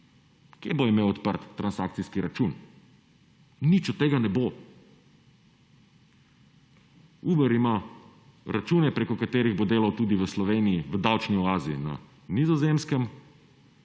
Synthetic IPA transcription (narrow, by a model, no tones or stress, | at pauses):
kjeboimeːwɔt̪pəɾt̪ːɾʔansakt̪siskiɾat͡ʃun | nit͡ʃɔt̪ːeːɡanɛbo | uːbɛɾima | ɾʔat͡ʃuːnɛpɾekɔkat̪eːɾiɣbod̪eːlawt̪uːd̪iʋəslɔʋeːniiʋəd̪awt͡ʃniɔaːzina̰ | nizɔzemskɛm